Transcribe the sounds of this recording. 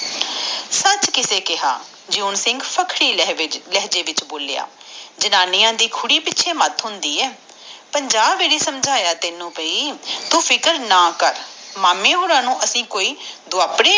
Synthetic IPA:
sət͡ʃkɪseːkɪɦa̰ː | d͡ʒoːnsɪ̃ŋɡpʰəkʰɽiːlɛɦd͡ʒeːʋɪt͡ʃboːleja̰ː | d͡ʒənaːniːãːd̪iːkʰʊɽiːpɪtːʃʰeːmət̪ɦʊnd̪iːɛː | pəɲd͡ʒaːbːeːɾeːsəmd͡ʒʱaːjaːt̪ɪnũːpəiːt̪ũːpʰɪkəɾnaːkəɾmaːmẽːɦoːɾãːnũːʔəsĩːkoːiːd̪ʊaːpɽeː

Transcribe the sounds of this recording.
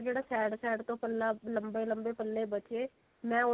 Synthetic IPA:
d͡ʒeːɽaːsɛːɖsɛːɖt̪õːpəlːaːləmbeːləmbeːpəlːeːbət͡ʃeː | mɛ̃ːʊ

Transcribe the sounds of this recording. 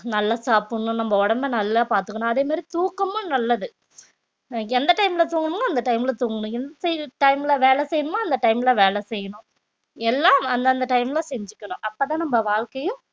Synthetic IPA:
nɐlːaːsaːpɯɳʊ̃nɐmːbɐɔɽɐmbɐnɐlːaːpaːɾt̪ɯkːɐɳʊ̃ɐðeːmaːd̪ɾit̪uːkːɐmʊ̃nɐlːɐðɯ | ɛnd̪ɐʈɐɪmɪlɐt̪uːŋɡɐɳɯ̃ŋɡɐːnd̪ɐʈɐɪmɪlɐt̪uːŋɡɐɳʊ̃ɛnd̪ɐsɛʈɐɪmɪlɐʋeːɭɛsɛjɐɳɯmaːɐnd̪ɐʈɐɪmɪlɐʋeːlɛsɛjːɐɳʊ̃ | ɛlːaːɐnd̪ɐnd̪ɐʈɐɪmɪlasɛɲd͡ʒɯkːɐɳʊ̃ʔɐpːɐːt̪ãːnɐmbɐʋaːɻkɐjʊ̃

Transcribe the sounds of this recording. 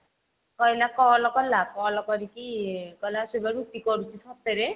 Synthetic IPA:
kɔjlakɔlɔkɔlakɔlɔkɔɾikikɔjlasubaɾut̪ikɔɾut͡ʃʰisɔt̪eɾe

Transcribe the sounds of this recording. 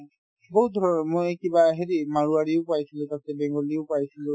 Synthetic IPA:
boɦut̚d̪ʱɔɹɔnmojkibaɦeɹimaɹuaɹiʊpajsilutatɛbɛŋɡoliʊpajsilʊ

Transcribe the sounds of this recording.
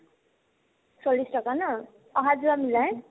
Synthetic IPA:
t͡sʌlːisʈʌkanʌ | ʌɦad͡zuamilaj̃

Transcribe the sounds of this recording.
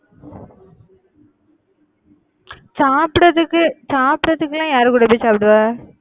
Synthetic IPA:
saːpɪɽɐðɯkːɯsaːpɽɐðɯkːɯlãːjaːɾɯkuːɽɐpːesaːpɪʈɯʋaː

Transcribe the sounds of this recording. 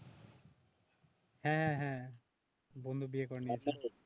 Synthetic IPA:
hɛ̃ɦɛ̃ɦɛ̃ | bond̪ʱubiekɔɹniat͡ʃʰɛ

